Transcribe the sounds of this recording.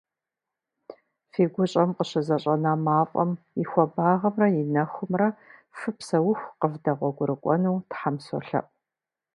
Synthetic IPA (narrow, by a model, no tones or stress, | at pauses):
feːɡʷʊɕʼɐmqəɕɐzɐɕʼɐnaːmaːfʼɐ̰m | jixʷɔbaːʁɐmrɐjɪnɐxʷʊmrɐfɨpsɐwʊxʷqəvdɐʁʷɔɡʷʊɾɨkʷʼɔ̰nuwtħamso̰ɬɐ̰p̚ʼ